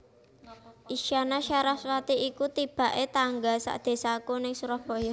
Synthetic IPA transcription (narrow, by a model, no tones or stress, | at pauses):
ʔiʃanaʃaɾahswat̪iikut̪ib̥a̤ʔet̪aŋɡasa̰ʔd̪̥e̤sakunɪŋsuɾahb̥o̤jɔ